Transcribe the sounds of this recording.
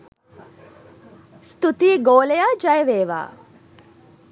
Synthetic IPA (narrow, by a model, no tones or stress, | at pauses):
st̪ut̪iːɡoːlejaːd͡ʒɐjəʋeːʋa̰ː